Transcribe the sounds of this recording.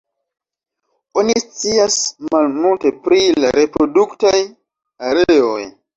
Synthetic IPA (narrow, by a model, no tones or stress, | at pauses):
onist͡siasmalmulte̞pɾilaɾe̞pɾo̞duktaj | aɾeo̰j